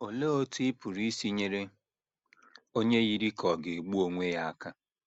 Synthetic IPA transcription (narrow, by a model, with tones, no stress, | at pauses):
o˨le˦o˦ti˦ɪ˦pu˨ɾi˦si˦ɲe˦ɾe˦ | o˦ɲe˦ɣi˦ɾi˦kʰɔ˨ɡe˨ɡ͡bu˦o˦ŋʷe˦ja˦a˦ka˦